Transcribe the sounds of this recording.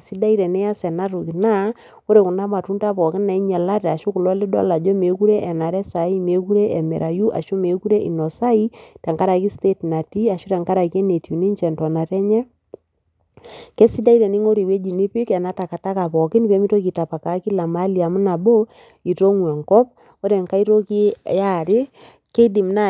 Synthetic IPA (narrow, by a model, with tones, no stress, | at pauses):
si˦da˦i˦ɾɛ˨nɛ˦a˦sɛ˨na˦ɾu˨ki˨na˦ | o˦ɾe˨kʊ˨na˦ma˨tu˦nta˦pɔ˨kɪ˦na˨i˦ɲɛ˨la˦ɾa˨ʃʊ˦kʊ˨lɔ˦lɪ˦dɔ̰˦la˨d͡ʒɔ˦me˨ku˦ɾɛ˦ʔɛ˨na˨ɾɛ˦sa˨˦i˦me˨ku˦ɾɛ˦ʔɛ˨mɛ̰˨ɾʔa˨ju˦ʔa̰˨ʃʊ˦me˨ku˦ɾɛ˦ʔḭ˨nɔ˨sa˦i˦tɛ˨ŋka˦ɾa˨ki˦ste˦tna˨ti˦a˨ʃʊ˦ɾɛ˨ŋka˦ɾa˨ki˦ɛ˦ne˨tu˨ni˦ɲt͡ʃɛ˨ntɔ˨na˨ɾɛ˦ɲɛ˦ | kɛ˦si˦da˦i˦ɾɛ˨nɪ˦ŋo˦ɾi˨we˦d͡ʒi˨ni˦pɪ˦kɛ˨na˨˦ta˨ka˨ta˦ka˨pɔ˨kɪ˦npɛ˦mi˦to˦k̬i˨ta˨pa˨ka˨˦ki˦la˨ma˦li˨a˨mu˦na˨bo˦ | i˨ɾo˦ŋwɛ˨ŋkɔ˦p̚ | o˦ɾɛ˨ŋka˦i˦ɾo˦ki˦ja˦ɾɪ˦ | ke˦di˨mna˦